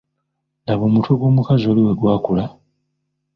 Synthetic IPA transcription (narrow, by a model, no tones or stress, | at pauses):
ndaβoːmutʰoɡo̞ːmukazo̞ːliwe̞ɡwaːkula